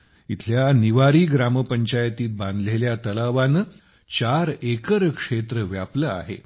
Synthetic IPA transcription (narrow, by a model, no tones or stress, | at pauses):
it̪ʰljaniʋaɾiːɡɾaməpəɲt͡ɕajt̪iːt̪̚bãnd̪leljat̪əlaʋanə | t͡ɕaɾekəɾkʂet̪ɾəʋjapləa̰ɦḛ